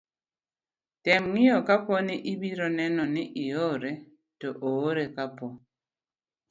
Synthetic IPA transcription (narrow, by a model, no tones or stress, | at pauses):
tɛmŋiɔkapɔniʔibiɾɔnɛnɔniʔijɔɾɛ | tɔʔoɾɛkapɔ